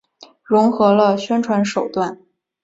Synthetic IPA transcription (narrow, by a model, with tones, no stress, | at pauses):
ɻʊ˧˥ŋxɤ˧˥lə˧ɕɥɛ˥nʈ͡ʂʰwa˧˥nʂo˨˩ʊt̪wa˥˩n